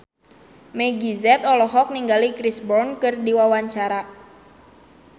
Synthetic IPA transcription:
mɛɡizɛt̪ɔlɔɦɔk̚niŋɡalikɾisbɔrnkɨrdiwawaɲt͡ʃaɾa

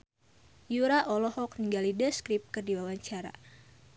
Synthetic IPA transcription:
juɾaʔɔlɔhɔk̚niŋɡalidəskɾip̚kərdiwawaɲt͡ʃaɾa̰

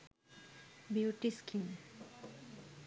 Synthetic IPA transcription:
biuʈiskiŋ

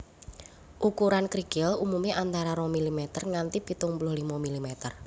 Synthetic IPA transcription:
ʔukuɾankɾiɡɪlumumiʔant̪aɾaɾɔmilimɛt̪ərŋant̪ipit̪ʊŋpulʊhlimɔmilimɛt̪ər

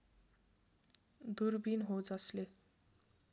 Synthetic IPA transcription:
d̪urbinɦod͡zʌsle

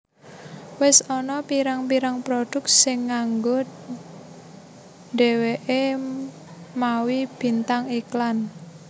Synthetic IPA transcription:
wɪsɔnɔpiɾaŋpiɾaŋpɾod̥ʊ̤k̚t̚sɪŋːaŋɡʊt̪̚ | ɖe̤weʔe | mawib̥i̤nt̪aŋiklan

